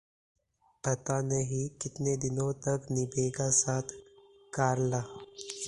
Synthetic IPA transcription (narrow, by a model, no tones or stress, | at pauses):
pɐt̪anɐɦĩkɪt̪ned̪ɪnõt̪ɐknɪbeːɡasaːt̪ʰ | kaːɾlaː